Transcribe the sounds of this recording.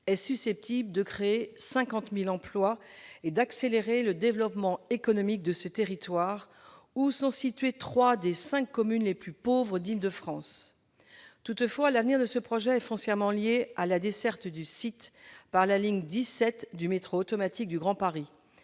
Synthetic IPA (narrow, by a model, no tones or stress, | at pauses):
ɛsysɛp̚t̪ʰibləd̪əkχeːsɛ̃kɑ̃t̪milɑ̃plwaed̪akseleʁeləd̪evlɔpmɑ̃ekɔnɔmik̚d̪əsət̪eʁit̪waʁ | usɔ̃sit̪ɥet̪χwad̪esɛ̃kːɔmynleplypovʁəd̪ild̪əfχɑ̃s | t̪ut̪fwalavniʁd̪əsəpχɔʒɛːfɔ̃sjɛʁmɑ̃ljealad̪esɛʁt̪d̪ysit̪paʁlaliɲd̪isɛt̪d̪ymet̪χoːt̪ɔmat̪ik̚d̪yɡʁɑ̃paʁi